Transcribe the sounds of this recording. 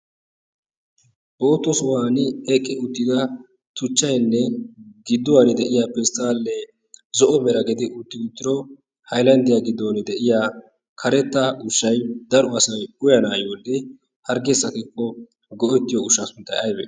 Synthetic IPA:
b̥oːt̪ːɔsʊhaːnɪɛkʼːɪʊt̪ːɪd̪ɐ | t̪ʊt͡ʃːɐjnːɛɡɪd̪ːʊwɐnɪd̪ɛʔɪjapɛst̪aːlːɛ | zɔʔɔmɛɾɐɡɛd̪ɪʔʊt̪ːɪɡʊt̪ːɪɾɔ | hɐjlɐnd̪ɪjaɡɪd̪ːɔnɪd̪ɛʔɪjaː | kʰɐɾɛt̪ːɐʊʃːɐjd̪ɐɾɔɐsɐjʊjɐnaːjwɔlːɛ | hɐɾɡɛsɐkɛkːɔ | ɡɔʔɛt̪ːɪjɔʊʃɐsʊnt̪ːɐjɐjbɛ̰

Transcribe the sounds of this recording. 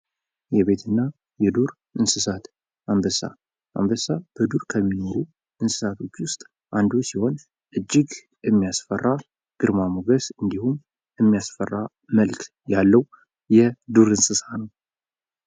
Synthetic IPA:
jɛβe̞t̪ʰɨnːa | jɛd̪uɾ | ʔɨnsɨsat̪ | ambəsa̰ | ʔa̰mbəsab̥əd̪uɾkʰəmːino̞ɾu | ʔɨnsɨ̥sat̪ʰo̞t͡ʃːwʊst̪ʼ | ʔand̪usiho̞n | ʔɨd͡ʒːɪɡ | jɛmːijasfərːa | ɡ̥ɨɾmamoɡəsɨnd̪ihum | ɛmːijasfərːa | məlk | jalːəw | jɛd̪uɾɨnsɨsanəw

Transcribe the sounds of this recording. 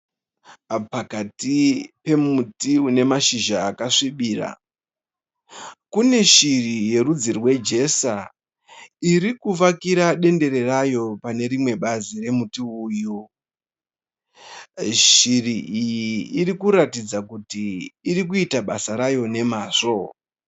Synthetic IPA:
pakatipe̞mutiune̞maʃiʒaːkaʂiɓiːra̰ | kune̞ʃirije̞ɾud͡zirwe̞d͡ʒe̞sa | iɾikuʋakiɾaɗe̞nde̞ɾe̞rajo̞pane̞ɾimwe̞ɓazire̞mutiuːju | ʃiriʔijiːrikuɾatid͡zakutiːrikuitaɓasaɾajo̞ne̞maːʂo̞

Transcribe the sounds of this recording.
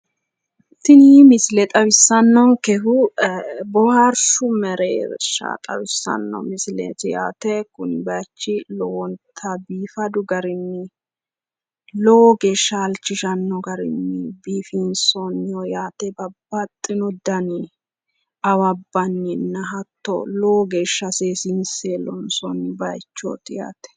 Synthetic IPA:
t̪ːɪniːmɪsɪlɛt̪ʼɐwɪsːɐnːɔŋkɛfʊ | bɔhaɾʃʊmɛɾeːbɛ̰ʃːa̰t̪ʼɐ̰wɪsːɐ̰nːɔ̰mɪslḛt̪ɪja̰ːt̪ɛkʊnɪbɐt͡ʃːɪlɔwɔnt̪ʰɐbiːfɐd̪ʊɡɐɾɪnːɪ | lɔwɔɡe̞ːʃːɐɐlt͡ʃːɪʃɐnːɔɡɐɾɪ̰nːɪbiːfinsɔnːɪjɔjaːt̪ɛbɐbːɐt̪ʼːɪnɔd̪ɐnɪ | ɐwɐbːɐnːɪnːɐɦɐt̪ːɔ̰lɔwɔɡe̞ːʃːɐseːsinseːlɔnsɔnːɪbɐjt͡ʃːo̰ːt̪ɪja̰ːt̪ɛ̥

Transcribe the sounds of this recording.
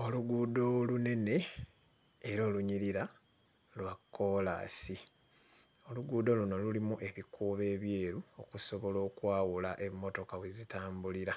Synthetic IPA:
o̞luɡuːdo̞lune̞ne̞ | eɾo̞ːluɲiɾiɾa | lwakːo̞la̰ːsi | o̞luɡuːdo̞luno̞lulimuʔe̞βikuːβe̞ːβje̞ːɾuo̞kuso̞βo̞lo̞ːkwaːwulaʔe̞mːo̞to̞kaβwezitaːmbuliɾa

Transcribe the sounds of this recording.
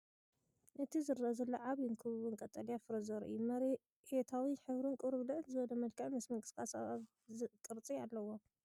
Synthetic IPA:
ʔɨt̪ʰizɨɾɐzɐlːoʕaβjuŋkʰɨβɨβɨŋkʼɐt̪ʼɐlijafɨɾɐzɐɾʔɨumɐɾ | et̪ʰawiħɨβɾɨnkʼɨɾɨβlɨʕɨnzɨβɐlɐmɐlkʰɐʕmɨsmɐŋɡʼɨ̥skʼasaβaβ | ɨkʼɨɾt͡sʼialːɐwo̞

